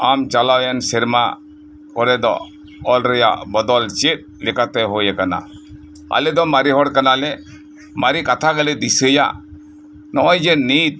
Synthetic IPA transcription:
amt͡ʃalawjansiɾma | kɔɾɛd̪ɔ̰ | ɔlɾɛja̰ʔbɔd̪ɔlt͡ʃit̪̚likat̪ɛɦojɛkana̰ | a̰lɛd̪ɔmaɾiɦɔɽkanalɛ | maɾikat̪ʰaɡalɛd̪isəja̰ | nɔɔjd͡ʒenit̪̚

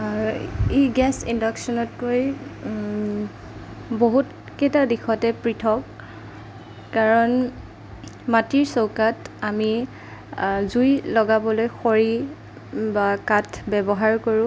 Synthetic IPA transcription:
iɡɛsindɔksɔnɔtkoj | boɦut | ketadixɔtɛpɹitʰɔk | aɹɔn | matiɹsowkatami | zujlɔɡabɔlojxoɹi | bakatʰbɛbɔɦaɹkoɹʊ̃

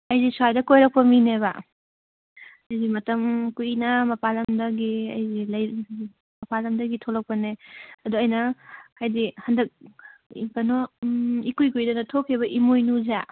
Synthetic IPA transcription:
ɐjdisuajdɐkojɾɐk̚pɐmineβa | ɐjzimɐtɐmkujinɐmɐpalɐmdɐɡiɐ̰jzilɐj | mɐpalɐmdɐɡitʰolɐk̚pɐneɐduɐjnɐhʰajdihɐndɐk̚ḭkɐnoikujkujdɐnɐtʰokʰeβɐʔimojnuza

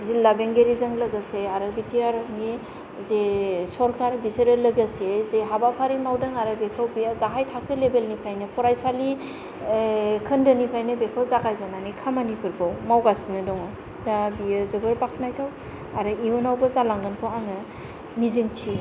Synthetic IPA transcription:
zilːabeŋɡeɾizɯŋlɯɡaseaɾɯbitʰijaɾni | zesɔɾkʰaɾbiseɾɯlɯɡasezeɦabapʰaɾimawdɯŋaɾɯbekʰawbijaɡaɦajtʰakʰɯlebelnipʰajnɯpʰɔɾajsali | kʰɯndɯnipʰajnɯbekʰawzakʰajzananikʰamanipʰɯɾbawmawɡasinɯdɔŋɯ | nabijɯzɯbɯɾbakʰnajtʰaw | aɾɯiunawbɯzalaŋɡɯnpʰɔaŋɯ | nizintʰi

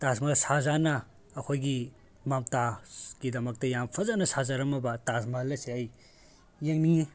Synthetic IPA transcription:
tasmalsazanɐː | kʰojɡi | mamtaɡ̥idɐmɐk̚tɐjampʰɐzanɐsazaɾɐmɐbɐtasmalɐseajː | eŋni

